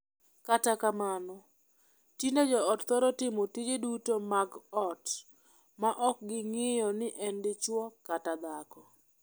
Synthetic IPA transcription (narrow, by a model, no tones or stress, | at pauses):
katakamanɔ | tined͡ʒɔɔtt̪ɔɾɔtɪmotid͡ʒedutomaɡɔt | maʔɔk̚ɡɪŋɪjɔnɪʔɛndɪt͡ʃwɔkatad̪akɔ